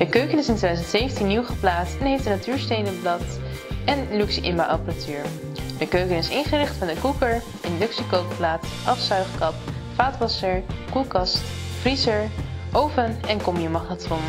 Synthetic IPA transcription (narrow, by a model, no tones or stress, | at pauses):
d̥əkøɥkənɪsɪntedzəntsejfəntinːiwχəplaːtstɛnɦejfdənatyːɹstejnənblɑt | ɛnlyksiʔɪ̰mbawʔɑpəratyːɹ | d̥əkøɥkənɪsɪnχərɪχtfɑndəkukəɹ | ʔɪndʏksikowkplaːtʔɑfsœɥχkɑpfaːtʋɑsəɹkulˠkɑst | frizəɹʔowpənɛnkɔmijəmɑχatɔn